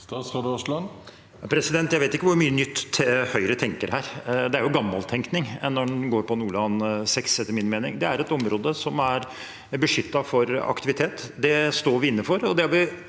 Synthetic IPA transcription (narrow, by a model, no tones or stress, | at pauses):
ɑsd̪ʂlɑn | ɑpʰɾɛsɪd̪ɛnt̪jæɪʋeːt̪ɪkːəʋʊɾmyːənʏt̪ːhœʏɾət̪ʰɛŋkəɾhæːɾd̪ɛæɾjʊɡɑmːɑlt̪ʰɛŋknɪŋnːɔɖɛnɡoːɾpʰɔnuːɭɑːnsɛksɛːəɾmɪnmeːnɪŋd̪ɛæɾɛt̪ɔmɾoːd̪əsɔmæɾ | bəʂʏt̪ːɑfɔɾɑ̰kt̪ɪʋɪt̪ʰeːt̪ːd̪ɛst̪oːɾʋɪɪnːəfɔɾɔd̪ɛhɑɾʋɪ